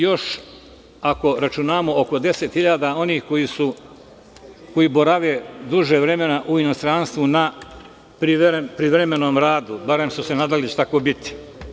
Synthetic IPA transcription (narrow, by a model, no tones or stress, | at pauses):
jo̞ʃ | ako̞ɾat͡ʃunaːmo̞oko̞d̪e̞se̞t̪hiʎaːd̪ao̞niːhko̞jisu | ko̞jibo̞ɾaʋed̪uʒeʋɾe̞me̞naʔuino̞st̪ɾanst̪ʋuna | pɾipɾiʋɾeme̞noːmɾaːd̪ubaɾe̞msuse̞naːd̪alit͡ɕet̪akobit̪i̥